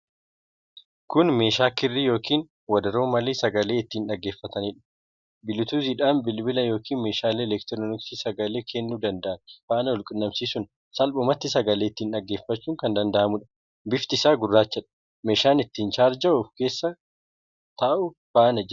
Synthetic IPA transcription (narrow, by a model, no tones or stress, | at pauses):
kʊnme̞ːʃaːkɪrːijo̞ːkʰiːn | wɐd̪ɐɾoːmɐleːsɐɡɐle̞ːɪt̪ːiːnᶑɐɡːe̞ːfːɐt̪ɐnɪᶑɐ̥ | bɪlɪt̪uːzɪᶑaːnbɪlbɪlɐjo̞ːkiːnme̞ːʃaːleːɛlɛkt̪ɾɔnɪksiːsɐɡɐle̞ːkʰɛnːuːd̪ɐnd̪ɐʔɐnfaːnɐɔlkʼɪnːɐmsiːsʊn | sɐlbʊmɐt̪ːɪsɐɡɐleːɪt̪ːiːnᶑɐɡːe̞ːfːɐt͡ʃːuːŋkɐnd̪ɐnd̪ɐʔɐmʊᶑɐ̥ | bɪft̪ɪsaːɡʊrːaːt͡ʃːɐᶑɐ̥ | me̞ːʃaːnɪt̪ːiːnt͡ʃaːɾd͡ʒɐʊfke̞ːsːɐ | t̪aʔʊ | faːnɐd͡ʒɛ